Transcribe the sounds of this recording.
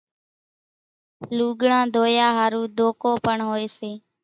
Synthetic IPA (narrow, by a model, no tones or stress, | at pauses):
luːɡɳãːd̪ʱoːjaːɦaːɾuːd̪ʱoːkoːpəɳɦoːeːseː